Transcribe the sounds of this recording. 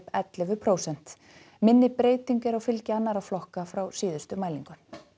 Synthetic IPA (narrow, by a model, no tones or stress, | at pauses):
pɛt̪lɛvʏpʰɾoːwsɛn̥t̪ | mɪnːɪpɾeːjt̪iɲkɪɾawfɪlcɪanːaɾaflɔhkafɾawsiːðʏst̪ʏmaːjliŋkʏn̥